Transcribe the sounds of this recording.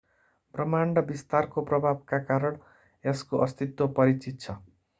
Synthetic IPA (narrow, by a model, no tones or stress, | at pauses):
prʌmanrʌbist̪arkoprʌbʱab̚kakaɾʌɳ | eskoʔʌst̪it̪wopʌɾit͡sit̪̚t͡sʰʌ